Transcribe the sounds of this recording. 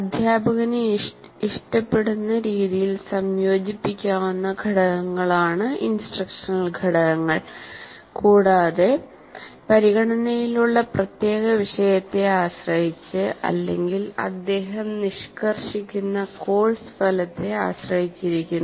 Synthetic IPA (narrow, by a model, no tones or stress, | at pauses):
ɐd̪ʱjaːbɐɣɐn | iʂʈɐpːe̞ɽunːɐɾiːðijilsɐmjo̞ːd͡ʑipːikʲːaːwunːɐɡʱɐɽɐɣɐŋːɐɭaːɳɨʔinsʈrɐkʂɐnɐlɡʱɐɽɐɣɐŋːɐɭ | kuːɽaːðe̞ | pɐɾiɣɐɳɐnɐjiluɭːɐprɐt̪je̞ːɣɐʋiʂɐjɐt̪ːe̞aːɕrɐɦit͡ɕːɨʔɐ̰lːe̞̰ŋɡilɐ̰d̪ːe̞ːɦɐmniʂkɐrʂikʲːunːɐko̞ːɭsfɐlɐt̪ːe̞a̰ːɕrɐhit͡ɕːiɾikʲːunː